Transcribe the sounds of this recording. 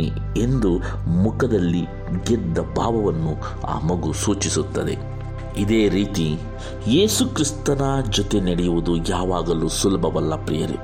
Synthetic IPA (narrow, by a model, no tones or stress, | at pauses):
i | e̞nd̪u | mukɐd̪ɐlːi | ɡɛd̪ːɐba̰ːbɐʋɐnːu | a̰ːmɐɡusuːt͡ʃisut̪ːɐd̪e̞̰ | id̪eːɾiːt̪i | jeːsukɾist̪ɐnɐd͡ʒɔt̪e̞nɐɽejuʋud̪ujaːʋaːɡɐluːsulɐbʱɐʋɐlːɐpɾijɐɾḭ